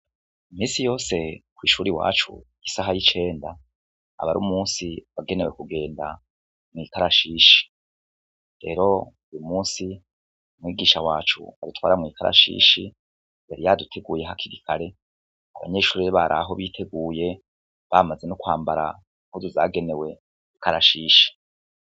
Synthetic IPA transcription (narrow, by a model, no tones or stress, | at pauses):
imiːsijo̞ːse̞kwiːʃuːɾiwa̰ːt͡ʃṵ | isaɦajit͡ʃe̞ːnda̰ː | βaɾṵmuːnsiβaɡe̞ne̞wekuɡe̞ːnda | mŋiːkaɾaʃiːʃi̥ | ɾe̞̰ɾo̞ | ujumuːnsi | umwiːɡiːʃawaːt͡ʃṵa̰dutwaːɾamŋiːkʰaɾa̰ʃḭːʃi | mbeɾijadutʰe̞ɡuːje̞ɦakʰiɾikʰaɾe̞ | a̰βa̰ɲe̞ːʃuːɾiβaɾʔa̰ɦo̞βitʰe̞ɡuːje̞ | βamaze̞nukwaːmbaɾa̰ | ŋhuzizaːɡe̞ne̞we̞ | ikaɾaʃiːʃi̥